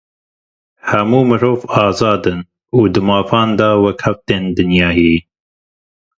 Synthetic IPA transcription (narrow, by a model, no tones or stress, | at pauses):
hɛmuːmɨɾoːvɑːzɑːd̪ɨn | uːd̪ɨmɑːfɑːnd̪ɑːwɛkhɛft̪eːnd̪ɨnjɑːjiː